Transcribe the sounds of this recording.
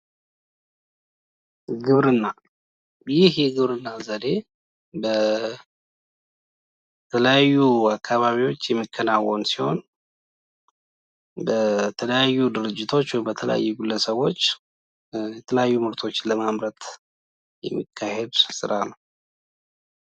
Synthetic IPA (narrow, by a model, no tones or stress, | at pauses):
ɡɨβɾɨnːa | jɪhjɛɡɨβɾɨnːazəd̪e̞ | bə | t̪ʰələjajːuakʰːaβaβiwo̞t͡ʃːjɛmːəkʰːənawːonsiho̞n | bət̪ʰələjajːud̪ɨɾɨd͡ʒːɪt̪ʰo̞t͡ʃːwɔjmbət̪ʰələ̰ja̰jːuɡulːəsəβo̞t͡ʃː | jɛt̪ʰələjajːumɨɾt̪ʰo̞t͡ʃːləmamɾət̪ | jɛ̰mːəkʰːahed̪sɨsɨɾʔanəw